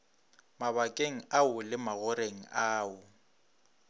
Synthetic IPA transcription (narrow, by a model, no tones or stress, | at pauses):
maβakʼeŋ̩aʊlɪmaɣʊɾeŋ̩aːʊ